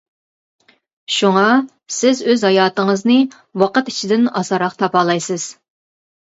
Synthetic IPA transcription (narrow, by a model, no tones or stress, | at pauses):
ʃuŋɑ | sɪzøzhɑjɑːt̪əŋəznɨ | wɑqət̪i̥t͡ʃʰid̪ɪnɑsɑɾɑqt̪ʰɑpɑːlˠɑjsɨz̥